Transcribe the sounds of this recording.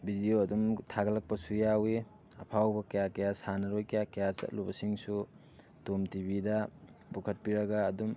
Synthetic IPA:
bʱidijoɐdumtʰaɡɐlɐk̚pɐsujawi | ɐ̰pʰawbɐkɐjakɐjasanɐɾojkɐjakɐjat͡ʃɐ̰t̚lubɐsiŋsu | tomtibidɐpukʰɐt̚piɾɐɡaːdum

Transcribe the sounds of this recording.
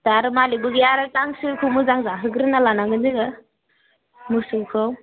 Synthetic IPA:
daɾɯmalibɯɡiaɾɯtaŋsɯkʰumɯzaŋzaɦɯɡɾɯnalanaŋɡɯnɯɡɯ | musɯkʰɯw

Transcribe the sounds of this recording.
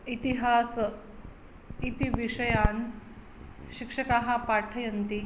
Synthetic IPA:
it̪iɦas | it̪iʋiʂɐjan | ɕikʂəkaɦapaʈʰəjɐnt̪i

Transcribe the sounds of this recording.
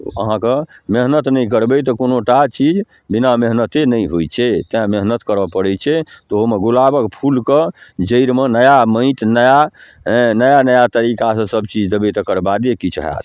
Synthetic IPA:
ə̰ɦãkemeɦnət̪nəjkəɾbɛt̪ɔkonoʈat͡ʃid͡ʒ | binameɦnət̪enəjɦojt͡ʃʰɛt̪ãmeɦnət̪kəɾəpəɽɛt͡ʃʰɛt̪ɔɦomeɡulabəkpʰulkəd͡ʒəiɾmenəjamə̃ɪt̪nəjã | nəjanəjat̪əɾikasə̃səbt͡ʃid͡ʒd̪əbet̪əkəɾbad̪ekit͡ʃʰɦa̰t̪

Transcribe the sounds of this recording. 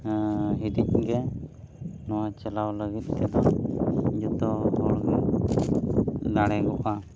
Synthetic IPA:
ɦid̪it̪̚ˀɡɛ | nɔwat͡ʃalawləɡit̪̚ˀtɛd̪a | d͡ʒɔt̪ɔɦɔɾɡ | d̪aɽɛɡɔʔa

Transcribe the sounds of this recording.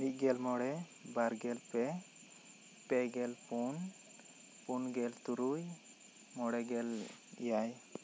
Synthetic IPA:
nic̚ˀɡɛlmɔɽɛ | baɾɡɛlpɛ | pɛɡɛlpun | punɡɛlt̪uɾuj | mɔɽɛɡɛlḭjaj

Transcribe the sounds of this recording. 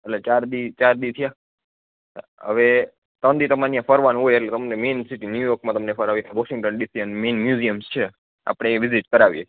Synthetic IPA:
əlet͡ʃaɾd̪it͡ʃaɾd̪it̪ʰija | ə̰ʋe | t̪ənd̪it̪əmanijãfəɾʋanɦojetlet̪əmnemensiʈinjujoɾkmãt̪əmnefəɾaʋiʋoʃĩŋɡʈənɖisiənemenmjuzijəmst͡ʃʰe | a̰pəɽ̃eeʋiziʈkəɾaʋie

